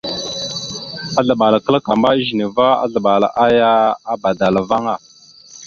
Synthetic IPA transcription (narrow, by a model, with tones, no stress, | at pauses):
a˦ɮə˨ɓa˨la˨kə˦la˦ka˨mba˦ʒi˨ne˨va˦a̰˦ɮə˨ɓa˨la̰˨ʔa˦ja˦a˦ba˨da˨la˨va˦ŋa˦˨